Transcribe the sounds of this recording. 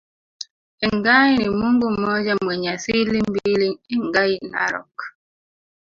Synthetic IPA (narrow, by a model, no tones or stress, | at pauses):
eŋɡainimuŋɡumɔd͡ʒamweɲasilimbiliŋiŋɡajina̰ɾɔ̰k